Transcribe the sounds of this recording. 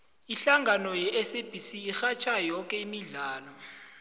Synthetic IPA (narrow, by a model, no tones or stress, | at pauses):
iɬaŋɡʱanɔjɛʔɛseb̥ʱisiːxat͡ʃʰajɔkʼɛimiɮaːlɔ